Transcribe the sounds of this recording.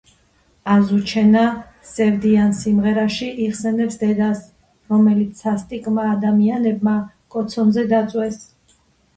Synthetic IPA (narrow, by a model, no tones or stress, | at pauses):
azut͡ʃʰɛna | sɛvd̪iansimʁɛɾaʃiʔiχsɛnɛpsd̪ɛd̪as | ɾɔmɛlit̪sʰast̪ʼikʼmaːd̪amianɛb̚ma | kʼɔt̪sʰɔnzɛd̪at̪sʼwɛs